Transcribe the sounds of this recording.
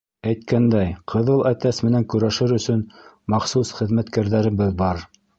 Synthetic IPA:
æjt̪̚kʰænd̪æjqʰɤ̆ðɤlˠæt̪æsmɘ̆næŋkɵ̆ɾæʃɘɾɵ̆sɵn | mɑχsusχɘ̆ðmæt̪kæɾðæɾɘ̆βɘðbɑɾ

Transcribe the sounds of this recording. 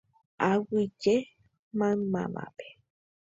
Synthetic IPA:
awid͡ʒe | mãma̰ma̰be̥

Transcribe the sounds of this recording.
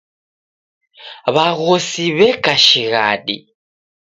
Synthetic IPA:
βaɣosiβɛkaʃiɣa̰ɗḭ

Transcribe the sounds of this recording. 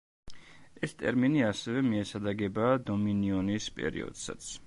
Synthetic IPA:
ɛst̪ʼɛɾminiasɛvɛmiɛsad̪aɡɛbaːd̪ɔminiɔnispʼɛ̰ɾḭɔ̰d̪̥sa̰t̪sʰ

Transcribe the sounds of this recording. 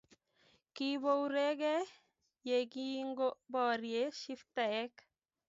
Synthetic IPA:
kibowɾeɡɛ | jeɡiŋɡobɔːɾieʃift̪aɛk

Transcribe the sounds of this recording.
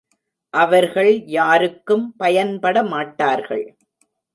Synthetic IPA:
ʔɐʋɐɾɣɐɭjaːɾɯkːɯmpɐjɐnpɐɽɐmaːʈːaːɾɣɐ̰ɭ

